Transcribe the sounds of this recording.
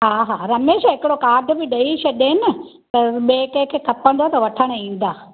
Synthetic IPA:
ɦaːɦaːɾɐmeːʃaɦɪkɪɽokaːɖʱbɪɗɐiʃɐɗenɐ | t̪ɐɓeːkekʰeːkʰɐpə̃nd̪oat̪ɐʋɐʈʰəɽ̃̆ĩːn̆d̪aː

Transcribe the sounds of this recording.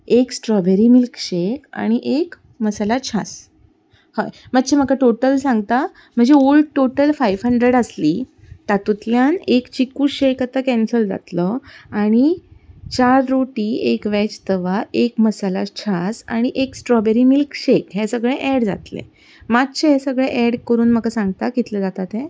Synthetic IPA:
eksʈɾɔbeɾimilkɕeka̰ɽ̃iʔek | məsalat͡ɕʰa̰s | həjmət̪ːɕʰem̤əkaʈoʈəlsãŋɡt̪a | m̤əɳd͡zeolʈoʈəlfajʋɦəɳɖɾeɽəsliː | t̪at̪ut̪ljanekt͡ɕikːuːɕekat̪akɛ̃nsəld͡za̰t̪ləaɽ̃it͡ɕaɾɾoʈiːekʋɛt͡ɕt̪əʋaekməsalat͡ɕʰasa̰ɽ̃iʔeksʈɾɔbɛɾimilkɕekɦẽsəɡɭeʔɛɽd͡za̰t̪lḛ | mat̪ɕeɦẽsəɡɭeʔɛɽkəɾuːnməkasãŋɡt̪akit̪ləd͡zat̪at̪ẽ

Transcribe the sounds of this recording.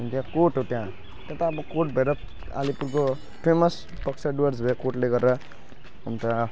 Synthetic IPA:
unt̪jãkoʈɦot̪jã | t̪jãt̪aːbʌkoʈbʱʌeɾʌ | a̰lipuɾko | pʰemʌs | pʌksʰaɖuwʌɾd͡zbʱʌeɾʌkoʈleɡʌɾɾʌ | unt̪ã

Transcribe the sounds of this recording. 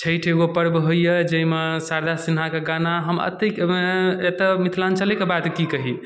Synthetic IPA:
t͡ʃʰəjʈʰeɡopəɾbɦojjəd͡ʒeimesaɾd̪ʱasinɦakeɡanaɦəmə̰t̪eket̪əmit̪ʰlant͡ʃəlɛkebat̪kikəɦi

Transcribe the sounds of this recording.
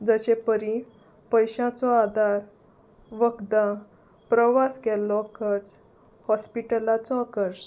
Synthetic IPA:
d͡zəɕepəɾi | pəjɕãt͡sɔad̪ʱaɾ | ʋəkd̪ã | pɾəʋaskɛlːɔkəɾt͡s | hɔspiʈəlat͡sɔakəɾɕ

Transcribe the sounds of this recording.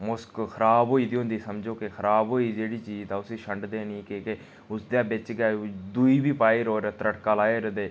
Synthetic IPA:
mʊskkʰəɾaːbɦoːiːd̪iːɦʊ̃nd̪iːsəmd͡ʒoːkɪxʰəɾaːbɦoːiːd͡ʒeːɽiːt͡ʃiːzd̪aːʊseːʃəɳɖd̪eːnĩːkeke | ʊsd̪ãːbɪt͡ʃɡaːd̪uiːbiːpaːiːɾoːɾet̪əɾəʈkaːlaːeːɾəd̪eː

